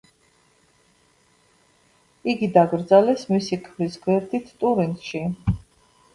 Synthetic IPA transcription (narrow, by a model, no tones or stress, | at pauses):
iɡid̪aɡɾd̪zalɛsmisikʰvɾisɡwɛɾd̪ʰit̪ʰt̪ʼuɾint̪ʃi